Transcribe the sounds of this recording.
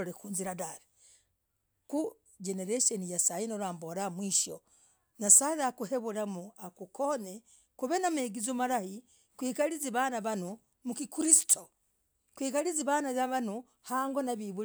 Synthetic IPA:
oɾekuːnziɾadaɾe | ku | d͡ʒeneɾeʃonijasajinoɾaːmboɾamwiːʃo̰ | nasaɾakuheβulamuakukʰone | kuβenameɡizomaɾahi | kwiːkaliziβanaβanu | mukikuɾisi̥tʰo | kwiːkaɾiziβanaβaβanu | haːŋɡonaβiβu

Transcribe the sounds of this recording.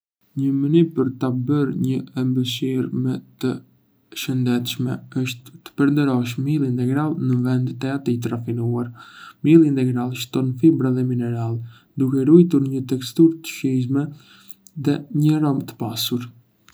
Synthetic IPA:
ɲəmənypəɾt̪abəɾɲəɛmbəʃ̬iɾmɛt̪ə | ʃənd̪ɛt̪ʃmɛ̰əʃt̪ːə̥pəɾnd̪əɾɔʃ̬milˠint̪ɛɡɾalˠnəvɛnd̪t̪ɛat̪it̪̬ɾafinuaɾmilˠint̪ɛɡɾalˠʃt̪ɔnfibɾaðɛminɛɾalˠ | d̪ukɛɾujt̪uɾɲət̪ɛkst̪uɾt̪ə̥ʃizmɛ | ðɛɲəɾɔmt̪ə̥pasuɾ

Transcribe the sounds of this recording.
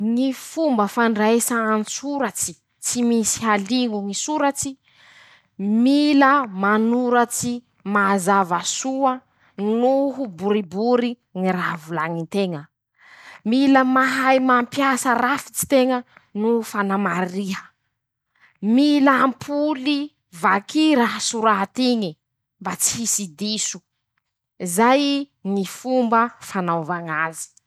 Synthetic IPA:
ŋifumbəfaɳɖ͡ʐaesaansuɾat͡si̥ | t͡simisi̥ɦaliŋuŋisuɾat͡si | miləmanuɾat͡si | mazavasuə | nuɦubuɾibuɾi | ŋiravulaŋint̪eŋə | miləmaɦajmampjasərafi̥t͡si̥t̪eŋənufanamariɦə̥ | milampʰuli | vakiɾaɦəsuɾat̪iŋi | mbat͡si̥ɦisid̪isu̥ | zaj | ŋifumbəfanawvaŋazi̥

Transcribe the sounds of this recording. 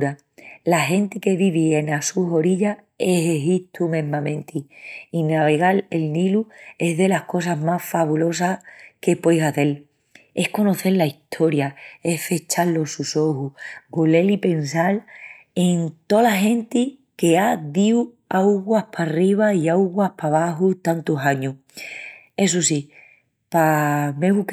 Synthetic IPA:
ɾa | laɦe̞nt̪ike̞βiβ̞ie̞nasuɦo̞ɾiʎa | e̞ɦeɦit̪ʰumẽ̞ɦmãmẽ̞nt̪ʰiinaβe̞ɣale̞lnilue̞zðe̞lahko̞s̬aɦmasfaβulo̞sake̞pwejsaθe̞l | e̞hko̞no̞θe̞ɾlaiht̪ʰo̞ɾjaehfe̞t͡ʃalːo̞suso̞huɡole̞lipe̞nsal | e̞nt̪o̞laɦẽ̞nt̪i | ke̞aðiu | awɣwahpʰariβ̞aiawɣwahpaβaɦut̪ant̪usaɲu | e̞s̬usi | pameɣuk

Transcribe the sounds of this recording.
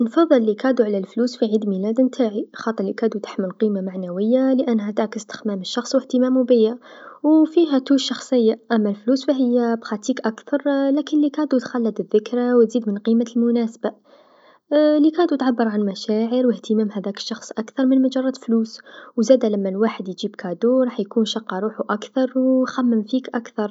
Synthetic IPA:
nfɑðˤːəlːikɑd̪uʕalælfluːsfiʕid̪milæd̪nt̪ʰaʕixɑːt̪ˤəɾlikæd̪ut̪ḁħməlqimamaʕnæwəjːaləʔænːhæt̪aʕkəst̪ə̥xmæməʃːɑxsˤwəht̪əmæːmubəjːa | wfiɦæt̪uʃːɑxsˤəjːaʔæmːælfluːsfæɦəjːabxɑt̪iːkʔækθɑɾˤlækənlikæːd̪ut̪xælːəd̪əðːəkɾawt̪ziːd̪mənqimalmʊnæsba | likæd̪ut̪ʕabːəɾˤʕanmæʃaʕəɾwəht̪əmæmhæd̪ækə̥ʃːɑxsˤʔakθɑɾˤmənmad͡ʒɑrˤːɑt̪fluːswzæːd̪ælæmːælwaħəd̪jʒib̚kʰæd̪uɾˤɑːħjkunʃɑqːɑɾˤuːħuʔækθɑɾˤwxæmːəmfikʔakθɑɾˤ

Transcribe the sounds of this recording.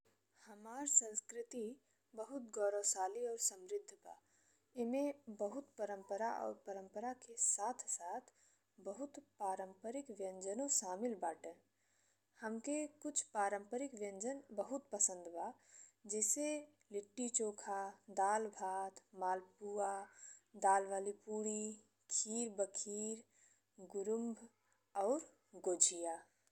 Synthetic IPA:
həmaːɾsə̃nskɾɪt̪i | bəɦʊt̪ɡɔːɾosaːliɔːɾsə̃mɾɪd̪ʱːba̰ː | emẽbəɦʊt̪pəɾə̃mpəɾaʔɔ̰ːɾpəɾə̃mpəɾakesaːt̪ʰsaːt̪ʰ | bəɦʊt̪paːɾə̃mpəɾɪkʋjə̃nd͡ʒənõʃaːmɪlbaːʈɛ̃ | həmkekʊt͡ʃʰpaːɾə̃mpəɾɪkʋjə̃nd͡ʒənbəɦʊt̪pəsə̃nd̪baːd͡ʒɛːse | lɪʈːit͡ʃoːkʰad̪aːlbʱaːt̪ʰmaːlpuːad̪aːlʋaːlipuːɽi | kʰiːɾbəkʰiːɾ | ɡʊɾʊmbʱ | ɔːɾ | ɡoːd͡ʒʱijaː

